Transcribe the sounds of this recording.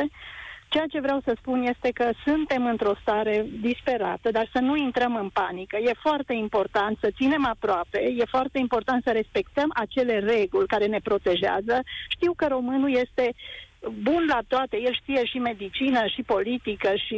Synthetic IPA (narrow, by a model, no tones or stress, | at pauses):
t͡ʃejat͡ʃe̞vɾeawsəspunje̞st̪e̞kəsɨnt̪e̞mɨnt̪ɾo̞st̪aɾe̞d̪ispe̞ɾa̰t̪əd̪arsənuint̪ɾəmɨnpanikəje̞foart̪e̞impo̞rt̪ant̪sət̪sine̞mapɾoape̞je̞foart̪e̞impo̞rt̪ant̪səɾe̞spe̞kt̪əmʔat͡ʃe̞le̞re̞ɡulʲkaɾe̞ne̞pɾo̞t̪e̞ʒea̰zəʃt̪iwkəɾo̞mɨnulje̞st̪e̞ | bunlat̪oat̪e̞je̞lʃt̪ije̞ʃime̞d̪it͡ʃinəʃipo̞lit̪ikəʃi